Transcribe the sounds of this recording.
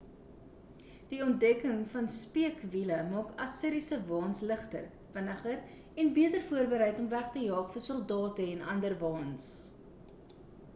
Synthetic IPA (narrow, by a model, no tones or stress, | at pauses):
d̥iɔntdɛkəŋfɐnspiəkviləmɑːkɐsəɾisəvɑːnsləχtə̰r | fənəχər | ɛnbiətərfuərbəɾɛjtɔmvæχtəjɑːχfərsɔlˠdɑːtəɛnɐ̰ndərvɑːns